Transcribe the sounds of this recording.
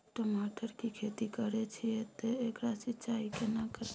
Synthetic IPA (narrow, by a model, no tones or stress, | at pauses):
ʈəmaːʈəɾkikʰet̪ikəɾet͡ʃʰijet̪eekɾasɪt͡ʃaːikenakəɾ